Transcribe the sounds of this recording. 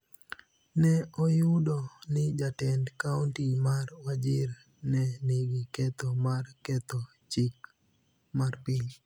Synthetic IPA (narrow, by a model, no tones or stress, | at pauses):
nɛɔjʊdɔnɪd͡ʒatɛndkauntimarwad͡ʒɪr | nɛniɡikɛt̪omarkɛt̪ɔ | t͡ʃik̚ | marpɪl